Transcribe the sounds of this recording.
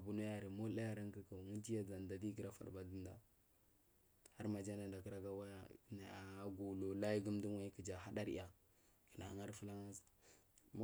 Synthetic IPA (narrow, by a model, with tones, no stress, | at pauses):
a˨bu˨nu˦ja˦ɾi˨mo˦la˦ja˨ɾa˦ŋki˨ka˨ŋi˦d͡ʒi˦ja˨d͡za˨n˨da˨di˦ɡi˨ɾa˦fa̰˨ɾba˦di˦nda̰˨ | ha˦ɾma˨d͡ʒa˦na˨nda˨ki˦ɾa˦ɡa˦wa˦ja˨na˨a˨˦ɡu˨lo˨la˦ji˦ɡu˦m˦du˦ŋwa˦ki˨d͡ʒa˨ɦa˦da˦ɾḭ˦˨ja˨ | ki˨na˨a˨ŋa˦ɾfi˦la˦ŋa˦zm˦